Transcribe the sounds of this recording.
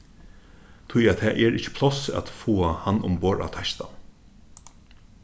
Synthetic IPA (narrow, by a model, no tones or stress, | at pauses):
t̪ʰʊjat̪ʰɛːʔɛɹɪt͡ʃːɪ̥pʰlɔsa̰t̪foːahanːʊ̰mboːɹʔa̰t̪ʰaʃt̪a̰